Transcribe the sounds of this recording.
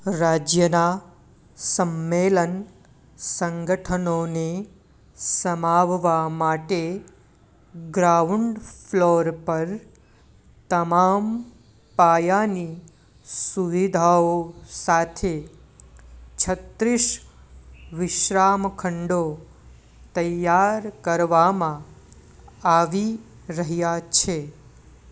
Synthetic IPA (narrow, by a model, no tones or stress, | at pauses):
ɾaːd͡ʒjəna | səmːelən | səŋɡəʈʰənone | səmaʋʋamaʈe | ɡɾauɳɖpʰloːɾpəɾ | t̪əmaːm | paːjani | suʋid̪ʱaosat̪ʰe | t͡ʃʰət̪ɾɪʃ | ʋɪʃɾamkʰəɳɖo | t̪əjjaɾkəɾʋamã | aʋi | ɾəɦjat͡ʃʰe